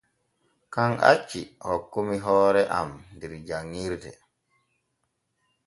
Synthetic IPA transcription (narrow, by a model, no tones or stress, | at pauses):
kaŋʔa̰t͡ʃːḭhɔkːumiɦɔːɾɛʔa̰mndiɾd͡ʒaŋːiɾdɛ̰